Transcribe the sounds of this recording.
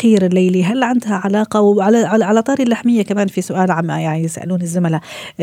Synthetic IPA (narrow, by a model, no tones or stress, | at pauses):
qiːɾɪlːejliɦalːʕand̪haʕalaːqɑwʕalaʕaʕalat̪ˤɑːɾilːaħmɪjːakamaːnfisʊʔaːlʕamːa̰jaʕnijɪsa̰ʔa̰luːnɪzːʊmala